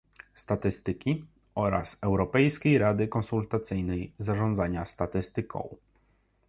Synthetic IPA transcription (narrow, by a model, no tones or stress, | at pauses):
st̪at̪ɘst̪ɘkʲi | ɔɾa̰sɛwɾɔpɛjskʲejɾad̪ɘkɔnsult̪at̪sɘjnɛjzaʐɔnd̪zaɲast̪at̪ɘst̪ɘkɔ̰̃w̃